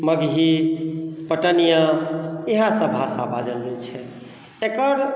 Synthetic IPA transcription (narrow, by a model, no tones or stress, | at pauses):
məɡɦi | pəʈənijaeɦãsə̃bʱasabad͡ʒəld͡ʒet͡ʃʰɛ | ekəɾ